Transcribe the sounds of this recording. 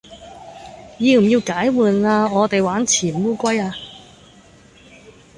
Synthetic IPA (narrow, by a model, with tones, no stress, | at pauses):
jiː˧m̩˨˩jiː˧wkaː˨˥jwuː˨naː˧ŋɔː˨˧t̪e˨jwaː˨˥nt͡sʰiː˨˩nwuː˥kʷɐ˥jaː˧